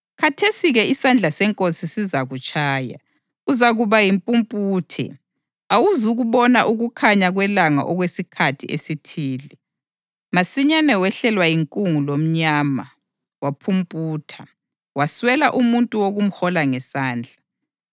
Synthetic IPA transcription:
kʰatʰesiɣɛisand͡ɮʱasɛŋkʼosisizaɣut͡ʃʼaːja̰ | uzaɣuβajimpʼumpʼuːtʰɛ̰ | awuzuɣuβɔnaʔuɣukʰaɲaɣwɛlaŋa̰ʔɔɣwesikʰatʰiʔḛsitʰiːli | masiɲanɛwɛɬɛlwajiŋkʼuŋulom̩ɲaːma | wapʰumpʼuːtʰa | waswɛlaʔumuntʼuwoɣum̩hɔlaŋɛsaːnd͡ɮʱa

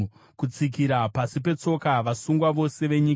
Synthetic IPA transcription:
kut͡sik̬iɾapasipe̞t͡so̞kaʋasuŋɡwaʋo̞se̞ʋe̞ɲik

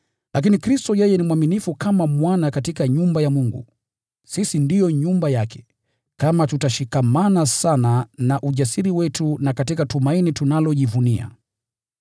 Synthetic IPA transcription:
lʔak̬inikɾistɔjɛjɛnimwaminifukamamwanakatikaɲumbajamuŋɡṵ | sisindijɔɲumbajakʰɛ̥ | kamatutaʃikamanasananaʔuʄasiɾiwɛtunakatikatumainitunalɔʄivunia̰

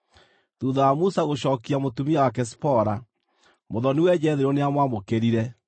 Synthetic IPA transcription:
ðuːðɔamusaɣoɕɔːkiamotumiawakɛs̬i̥pɔɾa | moðɔnewɛd͡ʑɛðeɾɔneamwamokeɾiɾɛ

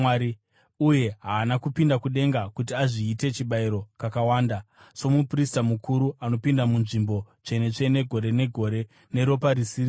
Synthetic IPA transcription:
aɾi | uje̞ɦaːnakupindakuɗe̞ŋɡakutiaʐiːte̞t͡ʃiɓaiɾo̞kakawaːnda | so̞mupristamukʰuɾuano̞pindamunʐimbo̞t͡ʂe̞ne̞t͡ʂe̞ne̞ɡʱo̞ɾe̞ne̞ɡʱo̞ɾe̞ | ne̞ɾo̞paɾisii

